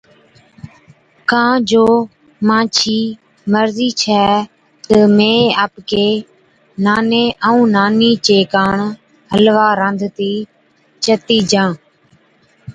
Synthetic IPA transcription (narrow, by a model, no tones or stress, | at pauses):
kãːd͡ʒoː | mãːt͡ʃʰiː | məɾziːt͡ʃʰɛː | t̪əmẽːaːpkeː | naːneːʔəũːnaːniːt͡ʃeːkaːɳ | həlʋaːɾə̃nd̪ʱt̪iː | t͡ʃət̪iːd͡ʒãː